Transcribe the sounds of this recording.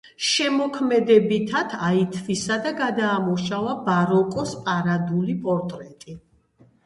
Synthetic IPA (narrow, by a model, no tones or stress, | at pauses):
ʃɛmɔkʰmɛd̪ɛbit̪ʰat̪ʰait̪ʰvisad̪aɡad̪aːmɔʃavabaɾɔkʼɔspʼaɾad̪ulipʼɔɾt̪ʼɾɛt̪ʼi